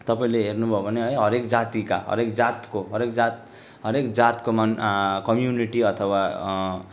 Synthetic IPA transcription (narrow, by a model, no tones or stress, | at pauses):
t̪ʌpaĩleɦernubʱʌbʱʌneɦʌjɦʌɾekd͡zat̪ika̰ɦʌ̰ɾekd͡zat̪koɦʌɾekd͡zat̪ | ɦʌɾekd͡zat̪komʌnkʌmjuniʈiʌt̪ʰʌwa